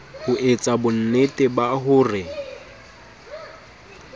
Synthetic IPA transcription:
hʊʔet͡sʼabʊn̩netʼɪbaɦʊːrɪ

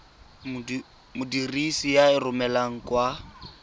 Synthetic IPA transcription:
mʊdirisijaɪrʊmɛlaŋ̩kwa

